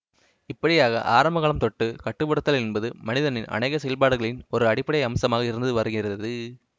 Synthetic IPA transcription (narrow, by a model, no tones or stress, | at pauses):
ɪpːɐɽɪjaːɣɐ̰ʔaːɾɐmbɐɣaːɭɐmt̪ɔʈːɯkɐʈːɯʋɐɽɐt̪ːɐlɛnbɐðɯmɐnɪðɐnɪnʔɐ̰nɐɪɣɐsɛjɐlpaːɽɯɣɐɭɪnɔɾɯɐɽɪpːɐɽɐjɐmsɐmaːɣɐɪɾɯnd̪ɯʋɐɾɯɣɪrɐðɯ